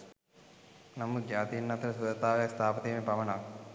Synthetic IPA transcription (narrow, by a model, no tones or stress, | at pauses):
nɐmːuɡjaːt̪iːnːɐt̪ɐɾɐsud̪ɐt̪aːʋjakst̪ʰaːpɐt̪iːmepɐʋɐnaːk